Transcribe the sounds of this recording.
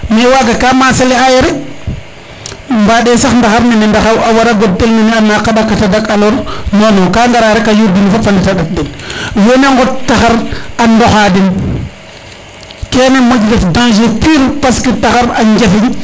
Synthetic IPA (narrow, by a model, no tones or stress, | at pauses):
mewaɡakamasaliajeɾe | mbaːɗesaxndaxaɾninindaxawawaɾaɡodelninianakːaɗakːatadakaloɾnonokaŋɡaɾaɾekajuɾdinfofaletaɗat̚dinjoneŋɡottːaxaɾandoxadin | kenemod͡ʒdefdãŋʃepiɾpaskitaxaɾaɲd͡ʒafiɲ